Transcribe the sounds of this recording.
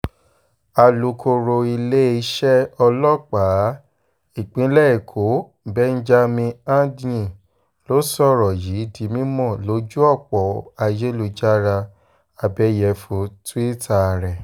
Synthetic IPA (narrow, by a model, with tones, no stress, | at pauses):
a˧lu˧kʰo˧ɾo˧i˧le˦e˧˦ʃɛ˦ɔ˧lɔ˦˨k͡pa˨˦ | i˦˨k͡pĩ˨˦lɛ˦i˦˨kʰo˨˦ | bɛ˦n̩˦d͡ʒa˧mĩ˧ã˦dĩ˨ | lo˨˦sɔ˦˨ɾɔ˨ji˨˦di˨˦mĩ˦mɔ̃˦˨lo˨˦d͡ʒu˦ɔ˦˨k͡pɔ˨a˧je˦˨lu˧d͡ʒa˦ɾa˧ | a˨bɛ˦jɛ˧˨fu˨˦tu˦i˦ta˧˨ɾɛ˨